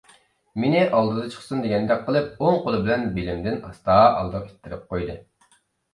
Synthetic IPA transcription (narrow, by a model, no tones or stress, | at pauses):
menɪʔɑlˠd̪ɨd̪ɨt͡ʃʰə̥χsund̪eɡʲɛnd̪ɛkqʰːəlˠɨp̚oŋqolˠɨbɪlɛnbɪlɪmd̪ɪnɑ̰st̪ɑːʔɑ̰lˠd̪ɨe̥t̪ʰːɪɾɪp̚qojd̪ɨ